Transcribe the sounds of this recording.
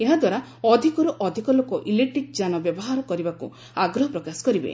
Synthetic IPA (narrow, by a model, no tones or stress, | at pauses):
eɦad̪waɾaɔd̪ʱikɔɾɔʔɔd̪ʱikɔlokɔʔileʈɾik̚d͡ʒanɔbjɔbɔɦaɾɔkɔɾibakṵ | aɡɾɔɦɔpɾɔkasɔ̥kɔɾibḛ